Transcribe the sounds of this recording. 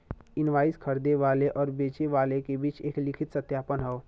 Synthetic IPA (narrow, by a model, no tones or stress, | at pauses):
ɪnʋaːiskʰəɾd̪eʋaːleʔɔːɾbeːt͡ʃeʋaːlekebiːt͡ʃeːklɪkʰɪt̪sət̪jaːpənɦɛo